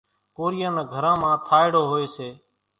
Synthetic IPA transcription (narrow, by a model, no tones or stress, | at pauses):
koːɾɪjãːnẽːɡʱəɾãːmãːt̪ʰaːɪɽoːɦoːeːseː